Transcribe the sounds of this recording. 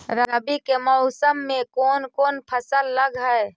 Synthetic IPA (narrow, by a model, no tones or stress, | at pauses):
ɾəɾəbikemɔʊsəmːẽkoːnkoːnpʰəsəlːəɡɦɛe